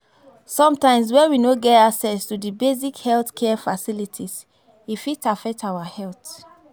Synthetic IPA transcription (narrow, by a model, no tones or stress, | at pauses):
sɔ̃mtãɪ̃ms̬wɛ̃nwinoɡɛtaksɛstudibezikhɛlθkʰɛfasilitʰis | ifitafɛk̚tʰaʊwahɛlt